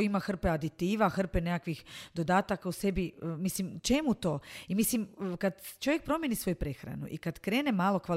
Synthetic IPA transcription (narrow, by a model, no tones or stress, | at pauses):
imaxr̩pead̪it̪iːʋaxr̩penekakʋixd̪o̞d̪aːt̪akause̞biəmislimt͡ʃe̞mut̪o̞ːimisliməkad̪t͡ʃoʋjek̚pɾo̞mjenisʋo̞jupɾe̞xɾa̰nṵʔḭkad̪kɾe̞ːnemaːlˠo̞kʋa